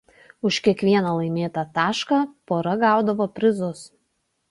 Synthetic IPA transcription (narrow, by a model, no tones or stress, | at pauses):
ʊʃkʲiɛkʋʲiɛnɐlˠɐɪmʲeːt̪ɐt̪ɑːʃkɑpoːɾɐɡɑˑʊd̪ɐʋoːpʲɾʲɪzʊs